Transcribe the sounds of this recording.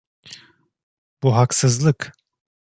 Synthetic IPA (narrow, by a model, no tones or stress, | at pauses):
b̥uɦaksɯzlˠɯk